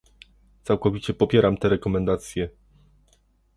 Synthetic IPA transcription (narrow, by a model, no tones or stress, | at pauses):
t̪sawkɔvʲit͡ɕɛpɔpʲjɛɾamt̪ɛɾɛkɔmɛnd̪at̪sʲjɛ